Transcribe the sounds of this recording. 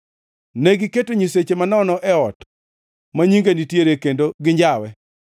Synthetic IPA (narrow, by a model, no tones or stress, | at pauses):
neɡɪketoɲiset͡ʃemanɔnɔʔɛɔt | maɲiŋɡenitjeɾekendoɡɪɲd͡ʒawɛ